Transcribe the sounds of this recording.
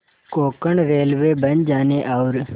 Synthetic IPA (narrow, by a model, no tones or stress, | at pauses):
koːkəɳɾeːlʋeːbənd͡ʒaːneʔaʊɾ